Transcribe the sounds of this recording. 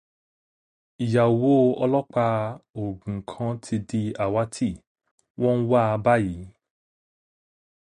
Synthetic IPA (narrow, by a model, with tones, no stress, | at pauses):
i˨ja˨wo˨˦ɔ˧lɔ˦k͡pa˧o˨ɡũ˨kʰã˨˧tʰi˧di˧a˨wa˨˦tʰi˦˨ | wɔ̃˦wa˦˧ba˦ji˨˦